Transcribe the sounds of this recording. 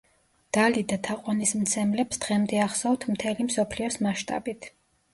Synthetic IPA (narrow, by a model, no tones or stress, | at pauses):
d̪̥alid̪at̪ʰaqʼwanismt̪sʰɛmlɛpsd̪̥ʁɛmd̪ɛaχsawt̪ʰmt̪ʰɛlimsɔpʰliɔsmaʃt̪ʼa̰bit̪ʰ